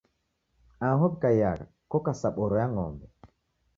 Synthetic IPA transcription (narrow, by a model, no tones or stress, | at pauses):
ãɦob̚kajaɾkokasaɓɔɾɔjaŋɔ̰mbɛ